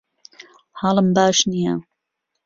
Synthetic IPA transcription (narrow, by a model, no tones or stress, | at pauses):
hɑːləmbaːʃnija̰